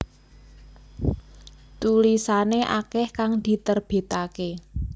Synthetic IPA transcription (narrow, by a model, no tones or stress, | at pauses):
t̪ulisaneʔa̰kɛhkaŋd̪̥i̤t̪ərb̥e̤t̪ake